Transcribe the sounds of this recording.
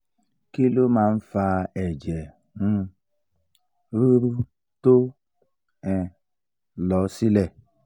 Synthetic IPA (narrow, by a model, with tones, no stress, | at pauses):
ki˦lo˦ma˨n̩˦fa˦e˨d͡ʒe˨ | ŋ̩˦ | ɾu˦ɾu˦ | to˦ | ɛ˨ | lɔ˨˦si˦le˦˨